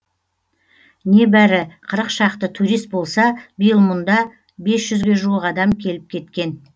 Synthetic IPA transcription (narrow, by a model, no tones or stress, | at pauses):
ne̞bæɾɪqʰəɾəqʃɑqt̪ət̪ʰuɾijst̪̚bo̞lˠsɑbijəlˠmʊnd̪ɑ | be̞sʒ̥ʏzɡʲe̞ʒuwəqɑd̪ɑmkʲʰe̞lɪp̚kʲʰe̞t̪kʲe̞n